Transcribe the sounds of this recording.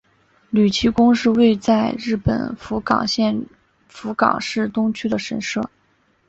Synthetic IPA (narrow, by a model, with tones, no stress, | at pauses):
ly˨˩t͡ɕʰi˧˥kʊ˥ŋʂɻ̩˥˧we˥˧ɪt͡sa˥˧ɪɻɻ̩˥˩pə̰˨˩nfu˧˥kɑ̰˨˩ŋɕjɛ˥˩n | fu˧˥kɑ̰˨˩ŋʂɻ̩˥˩t̪ʊ˥ŋt͡ɕʰy˥d̪ə˨ʂə˧˥nʂɤ˥˩